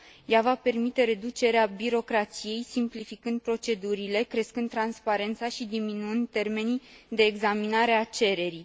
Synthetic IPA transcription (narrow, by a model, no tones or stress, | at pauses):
javape̞rmit̪e̞ɾe̞d̪ut͡ʃe̞ɾeabiɾo̞kɾat̪sije̞jsimplifikɨnd̪̚pɾo̞t͡ʃe̞d̪uɾile̞kɾe̞skɨnd̪̚t̪ːɾanspaɾe̞nt̪saʃid̪iminuɨnd̪̚t̪e̞rme̞nid̪e̞ːɡzaminaɾe̞at͡ʃe̞ɾe̞ɾi